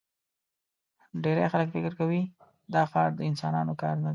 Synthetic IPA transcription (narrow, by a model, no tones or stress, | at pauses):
ɖeɾajxaləkfɪkɪɾkawi | d̪ɑxɑɾd̪əɪnsɑnɑnokɑɾnad̪a